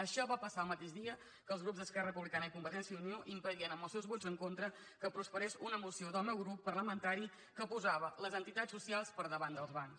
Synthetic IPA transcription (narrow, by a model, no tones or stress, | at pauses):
əʃɔβapəsaəlˠmət̪eʒðiə | kəːlˠzɣɾupzðəskɛrəpuβlikanəikumbət̪ɛnsiəunioʔimpəðiənəmbəlˠsɛwzβɔzəŋkont̪ɾə | kəpɾuspəɾesunəmusioðəlˠmɛwɣɾupːərləmənt̪aɾi | kəpuzaβələzənt̪it̪asːusialˠspəɾðəβand̪əlˠzβans